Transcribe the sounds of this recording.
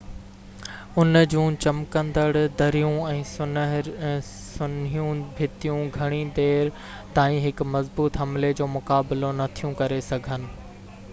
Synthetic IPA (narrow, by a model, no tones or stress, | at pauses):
ʊnd͡ʑũːt͡ɕɐmkə̃nd̪əɽd̪ɐɾijũɛ̃ːsʊ | sʊnijũbʱɪt̪ijũɡʱɐɽ̃id̪eːɾ | t̪aːĩɦɪkmɐzbuːt̪ɦɐmled͡ʑoːmʊkaːbɪlonɐt̪ʰijũkɐɾesɐɡʱənɪ̆